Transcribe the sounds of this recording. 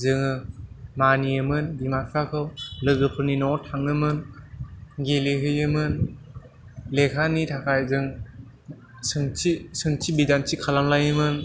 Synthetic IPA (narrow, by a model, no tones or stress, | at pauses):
zɯŋɯmaniɯmɯndimasʰakʰɯwlɯɡɯpʰɯɾninɔtʰaŋɯmɯn | ɡeleɦɯjɯmɯn | lekʰanitʰakʰajzɯŋ | sɯŋisɯŋtʰibidansʰikʰalamlajɯmɯn